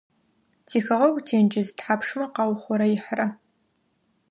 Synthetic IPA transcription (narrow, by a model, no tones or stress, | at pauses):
tʰiːxɐʁɐkʷʼtʰeːnd͡ʒɪzɨtħaːpʂmɐqɑːwχʷɔɾɐjɪħrɐ